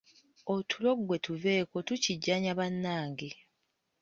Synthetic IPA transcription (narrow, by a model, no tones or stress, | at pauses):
otʰulo̞ɡwe̞tuve̞ːko̞tuciɟːaɲaβanːaːŋɡe